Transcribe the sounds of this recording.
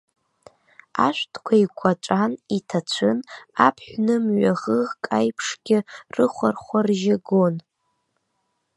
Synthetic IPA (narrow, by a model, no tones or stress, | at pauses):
a̰ʃʷtʰʼkʷʰaikʷʰaʈ͡ʂʷʼanitʰat͡ɕʷʰɨnapʰħʷᶣnɨmɥaʁəʁkʼajpʰʂɡʲɪrɨχʷarχʷarʒɪɡon